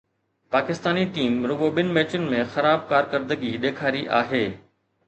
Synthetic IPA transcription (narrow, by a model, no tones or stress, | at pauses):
paːkɪst̪aːniʈiːmɾʊɡoɓɪnɪ̆mɛːt͡ɕʊnɪ̆mẽxɐɾaːb̚kaːɾkɐɾd̪əɡiɗ̪eːkʰaːɾiʔa̰ːɦeː